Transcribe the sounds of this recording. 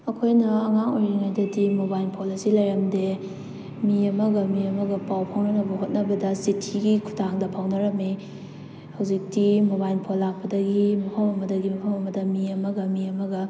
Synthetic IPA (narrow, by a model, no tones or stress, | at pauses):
ɐkʰojnɐɐŋaŋojɾiŋajdɐdimobajlpʰolisilajɾɐmde | miɐmɐɡɐmiɐmɐɡɐpawpʰawnɐnɐbɐɦot̚nɐbɐdɐsitʰiɡikʰu̥taŋdɐpʰawnɐɾɐmi | hawzik̚timobajlpʰolːak̚pɐdɐɡimɐpʰɐmɐmɐdɐɡimɐpʰawɐmɐdɐmiɐmɐɡɐmiɐmɐɡɐ